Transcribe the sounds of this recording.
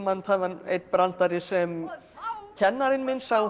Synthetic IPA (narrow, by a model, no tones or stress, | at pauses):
mant̪ʰaːvanḛjt̪pɾan̥t̪aɾɪsɛm | cʰɛnːaɾɪnmɪnsaɣ